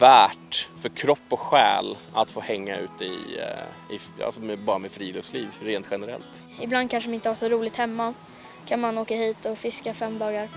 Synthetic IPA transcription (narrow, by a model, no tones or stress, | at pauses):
væːʈfœɾkʰɾɔpːɔɧɛ̰ːl | at̪foːhɛŋːaʉ̟ːt̪əɪ̰ | ɪa̰lsɔmɛbɑːɾamɛfɾiːlɵfsliːvɾeːnt̪ɧɛnəɾɛ̰lt̪ | ɪbland̪kʰanʂɖɛmɪnt̪əhaʂɔɾuːlɪɡ̚t̪hɛmːa | kʰanmanoːkahiːt̪ɔfɪskafɛmːd̪ɑːɡaɾ